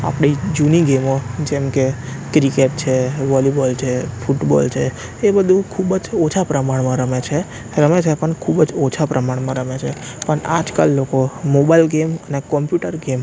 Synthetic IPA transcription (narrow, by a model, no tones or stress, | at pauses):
a̰pɽid͡ʒuniɡemod͡ʒemkekɾikep̚t͡ʃʰeʋɔljubɔlt͡ʃʰefuʈbɔ̰lt͡ʃʰeː | bəd̪ʱũkʰubəd͡ʒot͡ʃʰapɾəmaɽmãɾəmet͡ʃʰe | ɾəmet͡ʃʰepəɳkʰubəd͡ʒot͡ʃʰapɾʔəmaɽmãɾəmet͡ʃʰe | pəɳa̰d͡ʒka̰lːokomobailɡemənekɔmpjuʈəɾɡem